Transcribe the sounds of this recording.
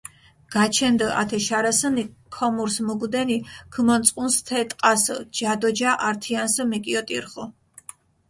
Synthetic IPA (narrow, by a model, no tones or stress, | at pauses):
ɡ̥at͡ʃʰɛnd̪əʔa̰t̪ʰɛʃaɾasənikʰɔmuɾsmuɡd̪ɛniɡ̥ʰmɔnsʼqʼunst̪ʰɛt̪ʼqʼasəd͡ʒad̪ɔd͡ʒaʔaɾt̪ʰiansəmɛkʼiɔt̪ʼḭɾχɔ